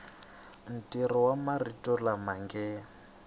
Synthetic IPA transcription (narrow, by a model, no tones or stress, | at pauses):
n̩tʼiɾɔwamaritʼɔlamaŋɡɛ